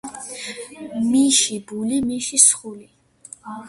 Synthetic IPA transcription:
miʃibulimiʃisχuli

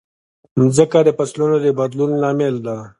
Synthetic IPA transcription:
mzəkad̪əpaslunod̪əbɐd̪lunlɑːmeld̪a

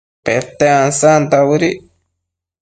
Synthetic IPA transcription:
pet̪eãnsant̪awɨɾi

